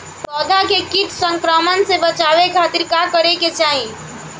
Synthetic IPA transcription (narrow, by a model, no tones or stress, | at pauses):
pɔd̪ʱakekiʈʰsəŋkɾəmənsebət͡ʃabekʰat̪iɾkakəɾeket͡ʃaɦĩ